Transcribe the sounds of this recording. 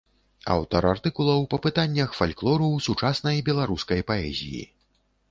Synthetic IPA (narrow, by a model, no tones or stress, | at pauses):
a̰wt̪ɐɾart̪ɨkulˠɐwpɐpɨt̪anʲːɐxfalʲklˠɔɾusut͡ʂasnɐjbʲɛlˠaɾuskɐjpaɛ̰zʲḭjḭ